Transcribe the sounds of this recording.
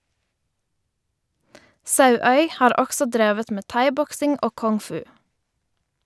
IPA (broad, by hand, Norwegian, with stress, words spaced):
ˈsɑʉœʏ ˈhɑːɾ ˈɔɡsɔ ˈdɾeːʋət ˈmeː ˈtɑɪˌbɔksɪŋ ˈoː ˌkɔŋˈfʉː